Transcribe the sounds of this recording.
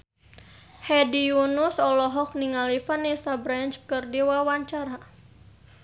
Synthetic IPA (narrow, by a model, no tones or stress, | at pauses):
hɛdijunusɔlɔɦɔk̚niŋalifanisabɾant͡ʃkɨrdiwawaɲt͡ʃaɾa